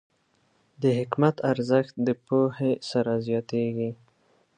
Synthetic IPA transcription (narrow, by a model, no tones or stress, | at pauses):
d̪əɦɪkmat̪aɾzəxt̪̚d̪əpohesaɾazjɑt̪eɡi